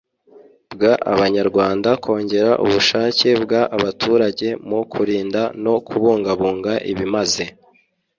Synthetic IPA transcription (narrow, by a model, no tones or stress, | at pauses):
bɡaʔa̰βaɲaɾɡwaːndakʰo̞ːɲɟe̞ɾaʔṵβuʃaːce̞bɡaʔaβatʰuːɾaɟe̞mukʰuɾiːndano̞kʰuβuːŋɡaβuːŋɡaʔḭβimaze̞